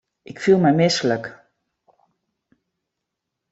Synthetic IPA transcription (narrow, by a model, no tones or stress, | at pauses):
ʔɪkfilˠmɛjmɪslək